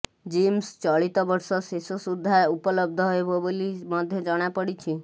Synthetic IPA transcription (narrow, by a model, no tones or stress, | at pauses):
d͡ʒimst͡ʃɔɭit̪ɔbəɾsɔsesosud̪ʱːaupələb̚d̪ʱɔɦeboboliməd̪ʱjɔd͡ʒɔɽ̃japəɽit͡ʃʰi